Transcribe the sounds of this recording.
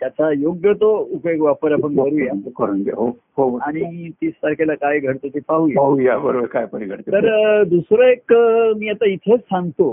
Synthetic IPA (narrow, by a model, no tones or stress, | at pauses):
t̪jat͡sajoɡjət̪oupjoɡʋapəɾapəɳbʱəɾujakəɾuːnɡ̪ḛɦo | ɦoaɽ̃it̪iːsaɾkʰelakajɡʱəɽt̪ət̪ʰipaɦujaɦujabəɾoʋəɾkajpəɾiɡʱəʈt̪et̪əɾd̪usɾəekmiat̪ait̪ʰesãnt̪o